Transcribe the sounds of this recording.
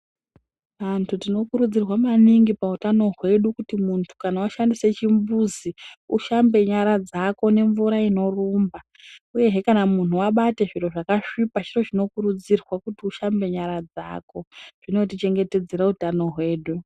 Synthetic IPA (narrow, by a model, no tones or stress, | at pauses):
ʋantʰutino̞kuɾud͡zirwamaniŋɡipautano̞ɦwe̞ɗukutimuntʰu̥kanawaʃandise̞t͡ʃimbuziuʃambe̞ɲaɾad͡zako̞ne̞ɱvuɾaino̞ruːmba | uje̞ɦekanamun̤uaɓate̞ʐiro̞ʐakaʂipaʐiro̞ʐino̞kuɾud͡zirwakutiuʃambe̞ɲaɾad͡za̰ːko̞ʐ̥ino̞t̬it͡ʃe̞ŋɡe̞te̞d͡ze̞ɾautano̞ɦwe̞ːɗu